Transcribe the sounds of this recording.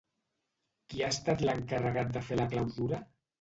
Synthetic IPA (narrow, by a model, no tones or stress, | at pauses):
kiast̪at̪ləŋkarəɣ̞at̪̚d̪əfelaklawzuɾa